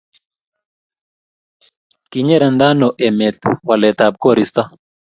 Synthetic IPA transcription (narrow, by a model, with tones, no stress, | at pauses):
ki˨ɲɛ˦ɾa˨nd̪a˦nɔ˨ʔɛ˨mɛ˨t̪̚wa˨lɛ˨t̪a˨b̚ko˦ɾi˨st̪a˦